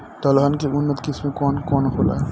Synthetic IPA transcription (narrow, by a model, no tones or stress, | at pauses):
t̪ɔːlɦankeʊnːət̪kɪsmẽkɔːnkɔːnɦoːla̰